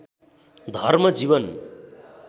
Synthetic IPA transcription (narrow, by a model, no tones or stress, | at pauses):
d̪ʱʌrmʌd͡ziβʌn